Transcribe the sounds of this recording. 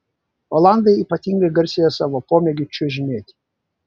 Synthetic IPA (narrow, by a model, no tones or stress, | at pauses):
ɔlˠɑnd̪ɐɪiːpɐt̪ʲiŋɡɐɡɐɾʲsʲejɛsɑːʋopoːmʲeɡʲɪt͡ʃʲʊʒʲɪnʲeːt̪ʲ